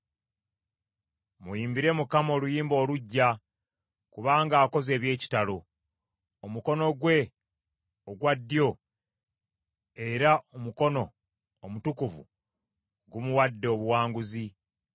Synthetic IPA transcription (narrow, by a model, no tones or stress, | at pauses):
mujiːmbiɾe̞mukamo̞ːlujiːmbo̞ːluɟːa | kuβaːŋɡaːko̞ze̞ːβje̞ːci̥talo | omuko̞no̞ɡwe̞ | oɡwadːijo̞ | e̞ɾaomuko̞no̞ː | mutukuvṵ | ɡumuwadːe̞oβuwaːŋɡuzi